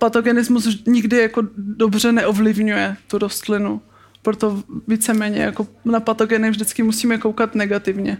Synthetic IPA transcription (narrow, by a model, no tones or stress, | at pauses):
pat̪oɡɛnɪzmusɲɪɡdɪjako̞do̞br̝ɛnɛʔovlɪvɲujɛt̪uɾost̪lɪnu | pɾot̪o̞viːt͡sɛmɛːɲɛ̰jako̞napat̪o̞ɡɛnɪvʒdɪt͡skɪmusiːmɛkowkat̪nɛɡat̪ɪvɲɛ